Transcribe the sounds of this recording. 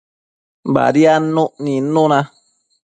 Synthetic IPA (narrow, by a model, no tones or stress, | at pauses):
ba̰dianõʔninonã